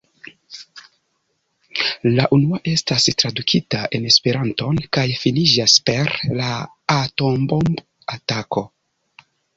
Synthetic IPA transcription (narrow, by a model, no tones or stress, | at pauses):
laʔunuaʔe̞stastɾadukʰitaʔe̞ne̞spe̞ɾanto̞nkajfinid͡ʒaspe̞ɾlaː | to̞mbomb | atako̞